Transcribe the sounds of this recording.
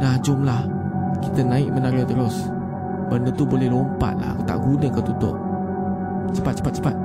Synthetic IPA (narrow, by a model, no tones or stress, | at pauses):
lad͡ʒʊmlah | kit̪ənãɪʔ̚mənaɾət̪əlʊs | bənut̪ubolɛhɾompa̰t̪̚la̰ɦkot̪a̰ʔɡunəkat̪ut̪ʊ̰ʔ | t͡ʃəpat̪̚t͡ʃə̥pat̪̚t͡ʃə̥pat̪̚